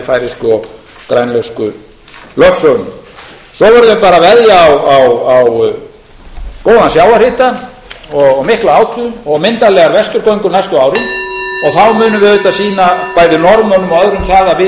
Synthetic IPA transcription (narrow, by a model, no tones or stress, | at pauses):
faːjɾɪskʏɔɣ | kɾajnlœskʏ | lœksɔnʏ | sɔvɛɾðʏɪpaːɾavɛðjaːwawaw | koːwðansjawaɾrhɪːt̪a | ɔɣmɪhklaaːwt̪ʰɾʏɔɣmɪnt̪alɛɣaɾvɛst̪ʏɾkɔjŋkʏnajst̪ʏaːwɾʏmɔɣθawmʏːnʏvɪvʏt̪asiːnapaːjðɪnɔɾmœnʏmœðɾʏmθaːðavɪ